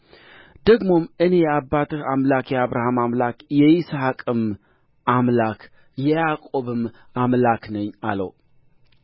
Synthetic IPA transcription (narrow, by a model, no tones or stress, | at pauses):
d̪əɡmo̞mɨne̞jɛabːat̪ʰɨhamlakjɛaβɾahamamlakjɛɪsaakʼɨm | ʔamlak | jɛjakʼo̞βɨm | amlaknəɲːa̰lə̰w